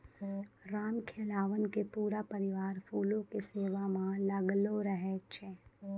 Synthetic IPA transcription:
ɾaːmkʰeːlaːʋənkepuːɾapəɾiʋaːɾfuːlõkeseːʋamãləɡloɾəɦet͡ʃʰe

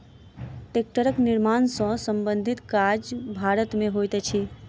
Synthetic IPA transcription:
ʈek̚ʈəɾəknɪɾmaːnsɔ̃sə̃mbə̃nd̪ʱit̪kad͡ʒbʱaɾət̪mẽɦojt̪ɛt͡ʃʰi

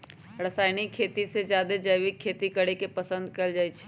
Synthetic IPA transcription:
ɾɐsaːɪnikʰːeːt̪isezjaːd̪ed͡ʒəːjʋɪkʰːeːt̪ikɐɽekepɐsə̃nd̪̚kɐld͡ʒaːit͡ʃʰ

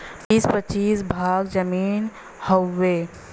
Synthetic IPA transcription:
ɪspət͡ʃiːsbʱaːɡd͡ʒəmiːn | hoːeː

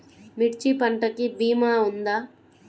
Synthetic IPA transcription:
miʈt͡ʃipɐɳʈɐkibiːmaːund̪aː

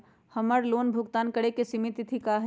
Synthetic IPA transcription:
həməɾloːnbʱʊɡt̪aːnkəɽekesimit̪it̪ʰikaɦ

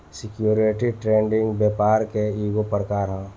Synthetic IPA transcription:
sɪkjuːɾeʈiʈɾẽːɳɖɪ̃ŋɡbeːpaːɾkeiːɡopɾəkaːɾɦɛ̃

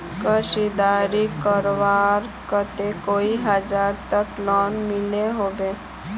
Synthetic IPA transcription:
kəʃid̪aːɾikəɾʋaɾkət̪ekoːiɦəd͡ʒaːɾt̪əklɔːnmɪleɦobeː

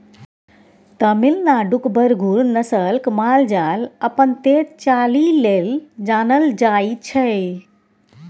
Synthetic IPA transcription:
t̪əmilnaɖukbəɾɡʱuɾnəsəlkmald͡ʒaləpənt̪et͡ʃalileld͡ʒanəld͡ʒajt͡ʃʰəj

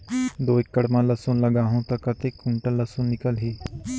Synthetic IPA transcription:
d̪oːɪkːəɽmãːləsõːnləɡaːɦõːt̪əkət̪ekũɳʈələsõːnɪkəlɦiː

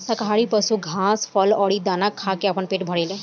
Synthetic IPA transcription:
sɐkaːɾipəsuɡʱãːspʰəlɔːɽid̪aːnakʰːaːkeapənpeːʈbʱəɽel

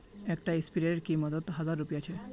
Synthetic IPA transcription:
ɛkʈaispiɾeʈkiməd̪ət̪ɦəd͡zaɾːupjat͡ɕʰe

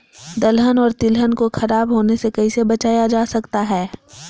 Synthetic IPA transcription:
d̪ɐlɦənɔːɾt̪ɪlɦənkoxʰɐɾaːbɦoːnesekɐisebɐt͡ʃaːjad͡ʒaːsɐkt̪aɦɛː

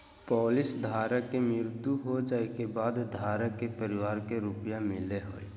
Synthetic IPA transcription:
pɔːlɪsd̪ʱaːɾəkːemɪɾd̪uɦod͡ʒaːekebaːd̪d̪ʱaːɾəkepəɾɪwaːɾkeɾʊpjamɪleɦo̰ːi

